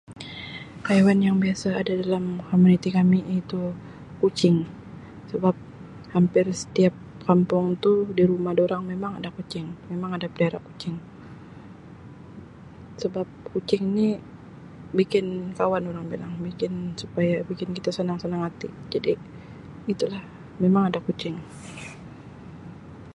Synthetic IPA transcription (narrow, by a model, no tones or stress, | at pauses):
kajawanjaŋbiasaːdadalamkomunit̪ikamiit̪u | kut͡ʃɪŋ | səbap̚ | hampɪrsə̥t̪iap̚ | kampʊŋt̪udiɾumahdoɾaŋmemaŋadakut͡ʃɪŋmemaŋadapədaɾa̰ku̥t͡ʃɪŋ | səbap̚kut͡ʃɪŋni | bikɪnkawanoɾaŋbilaŋbikɪnsu̥pajabikɪnkit̪asənaŋsənaŋat̪ḭd͡ʒadiː | t̪ulah | memaŋadakut͡ʃɪŋ